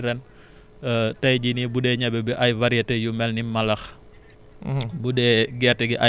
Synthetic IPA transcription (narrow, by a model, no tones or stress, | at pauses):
ɾɛn | tɐjd͡ʒinibudɛɲabɛbɛʔɐjvaɾiatɛjumɛlnimɐlɐx | budɛɡɛrtɛɡiʔa